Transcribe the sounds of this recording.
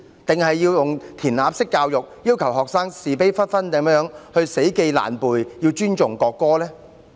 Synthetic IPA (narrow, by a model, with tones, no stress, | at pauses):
t̪ɪ˨ŋhɐ˨jːiː˧wjʊ˨ŋt̪ʰiː˨˩nlaː˨˧p̚sɪ˥kːaː˧wjʊ˨k̚jiː˥wkʰɐ˨˩wɦɔː˨k̚saː˥ŋsiː˨˩p̬e˥jfɐ˥t̚fɐ˥nt̪ɐ˨˥mjœː˨˥ŋhɵ˧ɥse˨˥jke˧jla̰ː˨˩npuː˨˩jji˧wt͡ʃyː˥nt͡ʃʊ˨ŋkɔː˧kːɔː˥lɛː˥